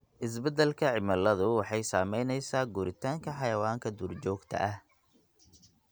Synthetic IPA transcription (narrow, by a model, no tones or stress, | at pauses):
ʔɪs̬bɛd̪ɛlkʰɐʕɪmɐlɐðʊwɑħɑjsaːmɛjnɛjsaːɡuːɾɪt̪ʰaːŋkʰɐħɑjɐwaːŋkʰɐd̪uːrt͡ʃɔːɡt̪ʰɐ̰ʔɐh